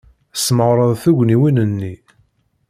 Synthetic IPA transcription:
sməʁɾˤəðˤθuʝʷniwinənːi

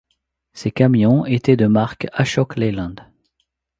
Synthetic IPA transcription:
sekamjɔ̃et̪ɛd̪əmaʁkaʃɔklelɑ̃d̪

